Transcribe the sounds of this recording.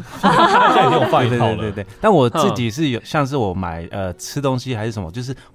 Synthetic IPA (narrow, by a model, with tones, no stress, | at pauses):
a˥˩ne˥o˨˩fa˥˧t̪we˥˧wt̪wt̪we˥˩ɪt̪a˥˩nwɔ˨˩t͡sɹ̩˥˩t͡ɕi˨˩ʂ̬ɻ̩˥˩jo˨˩ʊɕjɑ˥˧ŋʂ̬ɻ̩˥˩wɔ˨˩ma̰˨˩ɪʔə˧ʈ͡ʂ̩ʰ˥t̪ʊ˥˦ŋɕi˧˥xa˧ɪʂɻ̩˥˩ʂə˧˦mɐ˧t͡ɕjo˥˧ʊʂ̬̩˥˩